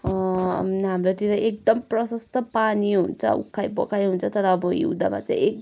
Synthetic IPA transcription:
mnɦamɾot̪iɾajʔekd̪ʌmprʌsʌst̪ʌpaniɦunt͡sʰʌ̰ṵkʰːajbʌ̰kʰajɦunt͡sʰʌt̪ʌɾʌːbʌjḭd̪a̰ma̰t͡saj̃ek̚

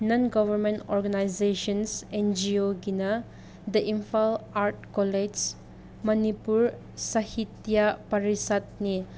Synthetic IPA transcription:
nɔnɡɔbʱɐɾmentɔɾɡɐnajzeʃɔnsend͡ʒioɡinɐ | d̪ɐʔimpʰalaɾt̚kɔled͡ʒz | mɐnipuɾ | sɐhit̪japɐɾisat̪̚ni

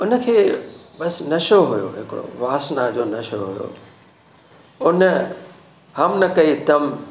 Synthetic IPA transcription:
ʊnəkʰeːbɐsnɐʃoɦʊjo̰ɦɪkɪɽo̰ʋaːsnad͡ʑoːnɐʃo̰ɦʊjo̰ | ʊnə | hɐmnɐkɐit̪ɐm

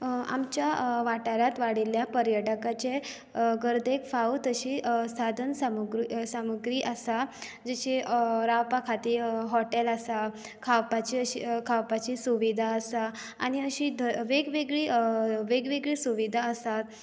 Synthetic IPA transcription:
a̰mt͡ɕjaʋaʈaɾat̪ʋaɽiljapəɾjəʈəkat͡ɕe | ɡəɾd̪eɡfaut̪əɕiːsad̪ʱənsamuɡɾisamuɡɾiːʔəsa | d͡ʑeɕiɾawpakʰat̪iːɦɔʈeləsa | kʰawpat͡ɕiəɕḭkʰawpat͡ɕiːsuʋid̪ʱaəsaː | ɽ̃iəɕid̪ʱəʋeɡʋeɡɭiʋeɡʋeɡɭiːsuʋid̪ʱaəsat̪̚

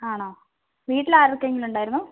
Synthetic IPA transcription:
aːɳoː | ʋiːʈːilaːɾʋikːeŋɡiluɳɖaːjiɾunːu

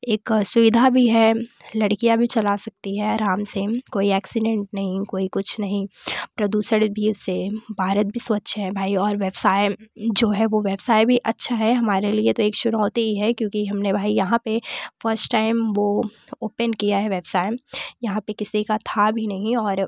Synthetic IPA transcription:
eːksʊʋɪd̪ʱabʱiɦɛlɐɽkijabʱit͡ʃɐlasɐk̚t̪iɦɛɐɾaːmsekoːiɛːksɪɖɛ̃ɳʈ̚nɐɦĩkoːikʊt͡ʃʰnɐɦĩpɾɐd̪uːsəɽbʱiʊsːebʱaːɾət̪̚bʱisʋɐtːʃɦɛ̃bʱaːiɔːɾʋeːbsaːɪd͡ʒoːɦɛʋoʋeːbsaːɪbʱiʔɐtːʃʰaɦɛɦɐmaːɾeliet̪oeːkt͡ʃʊnɔːt̪iiɦɛkjõːkiɦɐmnebʱaːijɐɦãpefəɾsʈʈaːɪmʋo | oːpənkijaɦɛʋeːbsaːɪmjɐɦãpekɪsikat̪ʰabʱinɐɦĩɔːɾ

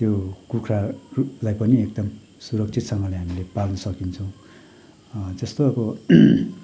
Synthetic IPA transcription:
t̪jokukʰrarulajpʌniek̚d̪ʌm | suɾʌk̚t͡sʰit̪sʌŋɡʌlajɦamilepalnʌsʌkint͡sʰʌ̃w̃ | d͡zʌst̪oʌbʌ

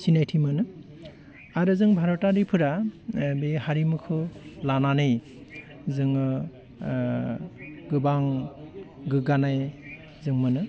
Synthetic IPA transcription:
sinajtʰimɯnɯ | aɾɯzɯŋbʱaɾɔtaɾipʰɯɾabihaɾimɯkʰɯlananɯj | zɯŋɯ | ɡɯbaŋ | ɡɯɡanaj | zɯŋmɯnɯ

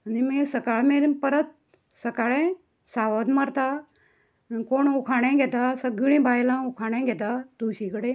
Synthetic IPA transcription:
ənimẽsəkaːɭmeɾipəɾət̪̚ | səkaːɭẽ | saːʋəd̪maɾt̪a | nkoːɳukʰaːɽ̃ẽːɡet̪asəɡiɽ̃ĩːbaːjlãːukʰaːɽ̃ẽːɡet̪aːt̪uːʃikəɽe

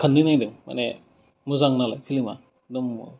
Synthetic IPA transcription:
kʰənːɯnajdɯŋma̰ne | muzaŋnalajkʰɯlima̰ | dɔm

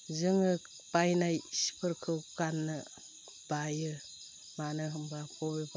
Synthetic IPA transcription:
zɯŋɯ | pajnajsi̥pʰɯɾkʰɯwkanːɯ | bajɯ | manɯɦɯŋbapʰɔbeba

